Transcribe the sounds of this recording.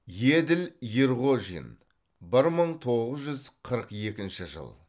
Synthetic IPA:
jed̪ɪljeɾʁoʒḭn | bɪɾməɴt̪ʰo̞ʁəzʒʏzqʰəɾəqje̞kʲɪnʃɪʒə̰lˠ

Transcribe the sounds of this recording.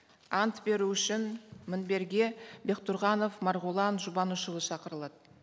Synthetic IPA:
ɑnt̪be̞ɾuʏʃɪnmɪnbe̞ɾɡʲe̞be̞qt̪ʊɾʁɑno̞fmɑɾʁulˠɑnʒʊbɑnuʃəlˠəʃɑqəɾəlˠɑd̪ə

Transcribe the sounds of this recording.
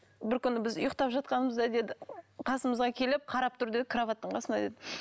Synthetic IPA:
bɪɾkʲʰʏnːɪbɪzʊ̰jəqt̪ɑpʒɑt̪̚qɑnəməzd̪ɑd̪e̞d̪ɪqʰɑsəməzʁɑkʲʰe̞lɪp̚qʰɑɾɑp̚t̪ʰʊɾd̪e̞d̪ɪkʰɾovɑt̪ːəɴqʰɑsənɑd̪e̞d̪ɪ

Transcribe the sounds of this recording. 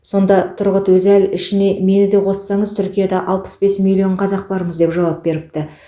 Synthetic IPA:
so̞nd̪ɑt̪ʰʊɾʁət̪wɵzælɪʃɪne̞me̞nɪd̪e̞qʰo̞sə̥sɑɴəzt̪ʰʏɾkʲijad̪ɑʔɑlˠpə̥sbe̞smilʲːio̞ɴqʰɑzɑq̚bɑɾəməzd̪e̞pʒɑwɑp̚be̞ɾɪp̚t̪ɪ

